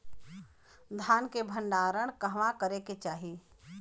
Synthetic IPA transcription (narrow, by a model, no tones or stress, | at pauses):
d̪ʱjaːnkebʱə̃ɳɖaːɾəɽ̃kəɦʋãkəɾeket͡ʃaːɦi